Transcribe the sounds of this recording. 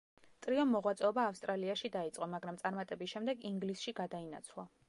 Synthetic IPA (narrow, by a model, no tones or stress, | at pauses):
t̪ʼɾiɔmːɔʁwat̪sʼɛɔbaːfst̪ʼɾaliaʃid̪ait̪sʼqʼɔmaɡɾamt̪sʼaɾmat̪ʼɛbisʃɛmd̪ɛɡiŋɡlisʃiɡad̪aina̰t̪sʰlˠa